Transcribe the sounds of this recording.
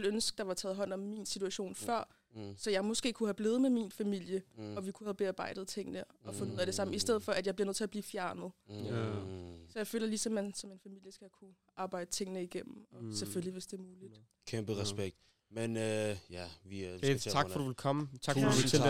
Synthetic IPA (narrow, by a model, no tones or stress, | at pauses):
lønsɡ̥̚d̥ɑ̈ʋɑ̈t͡sʰɛːð̞̩ˠɦɒ̽n̰ɒ̽mːiːnsit͡sʰuæɕo̝̰ːnfɶɐ̰ | sɒ̽jɑ̈ɪmɔ̽sɡ̥e̝̰ːkʰuhæb̥le̝ːð̩ˠmeminfæmil̰jəʔɒ̽ʋikʰuhæb̥e̝ɑ̈ːb̥ɑ̈ɪ̰d̥ð̩ˠt͡sʰe̝ŋ̰nəʔɒ̽fɔ̽nouð̰̩ˠæd̥e̝sɑ̈m̰m̩isd̥eð̰̩ˠfɒ̽æd̥jɑ̈b̥liɐøð̰ˠt͡sʰe̝æɐb̥liːfjæɐnəð̞̩ˠ | sɒjɑ̈ɪføːlɐlisɒ̽mænsɒ̽me̝nfæmil̰jəsɡ̥ækʰu | ʔɑ̈ːb̥ɑ̈ɪd̥ət͡sʰe̝ŋ̰nəiɡ̥em̰m̩ɒ̽seføliʋe̝sd̥e̝ɐmuːlid̥ | kʰemb̥əʁɛsb̥eɡ̥̚d̥ | menøjæʋiɑɡfɒduʋelkʰɒ̽mət͡sʰɑɡu